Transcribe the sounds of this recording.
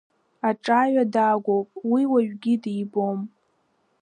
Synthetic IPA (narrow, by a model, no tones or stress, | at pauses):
aʈ͡ʂʼaɥadaːɡʷowpʼwiwaɥᶣɡʲidiːbo̞m